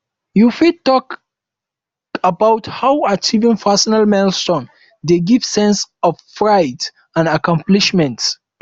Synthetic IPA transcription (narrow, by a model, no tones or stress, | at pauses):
jufid̚tɔk | əbawthawat͡ʃivĩŋfasənalmɛlstɔ̃n | d̪eɡiv̥sɛ̃nsɔvfɹajt | ãnakãmpliʃmɛ̃nts